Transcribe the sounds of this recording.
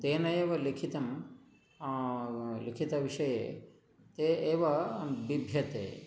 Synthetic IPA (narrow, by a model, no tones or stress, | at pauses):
t̪eːnɐjeːʋɐlikʰit̪ɐm | likʰit̪ɐʋiʂɐjḛː | t̪eːeːʋɐbibʱjɐt̪ḛː